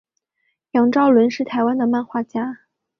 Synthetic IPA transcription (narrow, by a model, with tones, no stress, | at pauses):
jɑ˨˩ŋʈ͡ʂɑ˥˩ʊlwə˧˥nʂɻ̩˥˩t̪ʰa˧˥ɪwa˥nd̪ə˨ma˥˧nxwa˥˩t͡ɕja˥